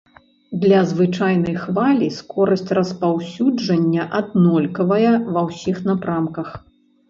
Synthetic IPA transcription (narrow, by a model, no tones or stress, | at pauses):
d̪lʲɐzvɨt͡ʂajnɐjxvalʲiskɔɾɐsʲt͡sʲrɐspawsʲud͡ʐɐnʲːɐʔɐd̪nɔlʲkɐvɐjɛvɐwsʲixnapɾamkɐx